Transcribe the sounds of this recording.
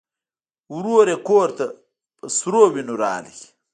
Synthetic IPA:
wɾoːɾekoːɾt̪a | pəsɾowinuɾa̰ːli

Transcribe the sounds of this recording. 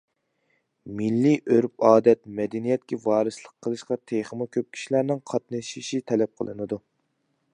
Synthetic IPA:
milːiʔøɾpɑːd̪ɛt̪mɛd̪ɛnijɛt̪̚kʲɛvɑːɾɨslˠəqʰːəlˠɨʃqɑt̪ʰeχəmʊkʲʰøp̚kʲʰi̥ʃilæɾnɪŋqʰɑt̪̚nɨʃiʃit̪ʰɛlɛp̚qʰə̰lˠɨ̰nɨd̪u

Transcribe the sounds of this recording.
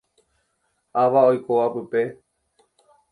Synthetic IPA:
aʋaojkoʋapɨpe̞

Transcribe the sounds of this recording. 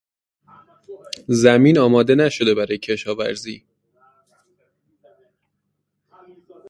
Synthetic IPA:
zæmiːnɒːmɒːd̪e̞næʃo̞d̪e̞bæɾɒːjecʰe̞ʃɒːvæ̰ɾzḭː

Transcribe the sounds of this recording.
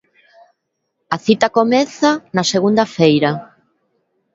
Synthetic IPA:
ɐθit̪ɐkomɛθanɐseɣund̪ɐfejɾɐa

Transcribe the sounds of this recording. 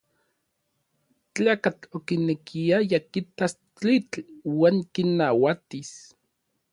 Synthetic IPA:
t͡ɬaːkat͡ɬokinekʰiajakit̪as | t͡ɬit͡ɬwaːŋkinːawat̪is

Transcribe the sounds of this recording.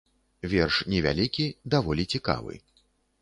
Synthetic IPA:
vʲɛrʂnʲɛvʲa̰lʲikʲid̪avɔlʲit͡sʲika̰vɨ̰

